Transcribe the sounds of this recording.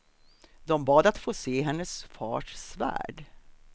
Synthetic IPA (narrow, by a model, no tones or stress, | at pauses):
d̪ɔmbɑːd̪at̪foːseːɦɛnːəsfɑ̰ːʂsvæ̰ːɖ